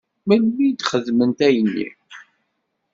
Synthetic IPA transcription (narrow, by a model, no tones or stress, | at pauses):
mælmid̪χəðmənt̪æjənːḭ